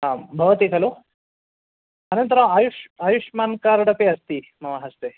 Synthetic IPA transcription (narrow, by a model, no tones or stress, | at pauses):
aːmbʱɐʋɐt̪ikɐlo | ɐnɐnt̪ɐɾɐmaːjuʂaːjuʂmaːnkaːɾɽɐpeɐst̪imɐʋɐɦɐst̪e